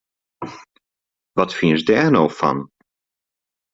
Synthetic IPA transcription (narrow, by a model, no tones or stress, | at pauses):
ʋɑtfinzdɛːrnowfɑ̰n